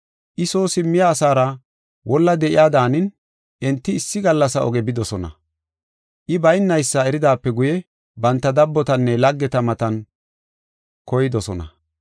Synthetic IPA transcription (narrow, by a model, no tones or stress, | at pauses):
ʔɪsoːsɪmːɪjaːsaːɾɐ | wɔlːɐd̪ɛʔɪ̰jaːd̪aːnɪn | ʔɛnt̪ːɪːsːɪɡɐlːɐsɐɔ̰ɡɛbɪd̪ɔsɔnɐ̰ | ʔɪbɐjnːɐjsːɐɛɾɪd̪aːpːɛɡʊjɛ | bɐnt̪ːɐd̪ɐbːɔt̪ɐnːɛlɐɡːɛt̪ɐmɐt̪ɐn | kɔjɪd̪ɔsɔnɐ̰